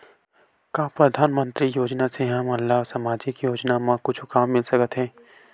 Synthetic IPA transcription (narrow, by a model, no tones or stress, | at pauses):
kaːpɾɐd̪ʱaːnmə̃nt̪ɾijoːd͡ʒnaseɦɐmɐlːaɦsɐmaːd͡ʒikjoːd͡ʒnamãkʊt͡ʃʰkaːmːɪlsɐkət̪ɦɛ̃ː